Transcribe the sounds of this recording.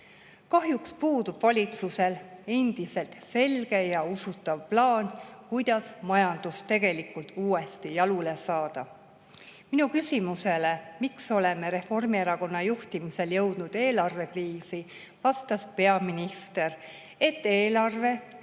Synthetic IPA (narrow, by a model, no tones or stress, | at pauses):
kɑɦjukspuːd̪ub̥vɑlʲit̪suse̞le̞nd̪̥ise̞lt̪se̞lɡ̥e̞jɑusut̪ːˑɑvplɑːnkujd̪̥ɑsmɑjɑnd̪̥ust̪ːe̞ɡ̥e̞likult̪uːe̞st̪ijɑlule̞sɑːd̪̥ɑ | minukysʲimuse̞le̞mikso̞le̞meɾe̞fo̞rmieɾɑko̞nːɑjuht̪imise̞ljɤ̞wd̪̥nud̪̥e̞ːlɑrve̞kriːsi | vɑst̪ɑspe̞ɑminist̪e̞r | e̞t̪ːe̞ːlɑrve̞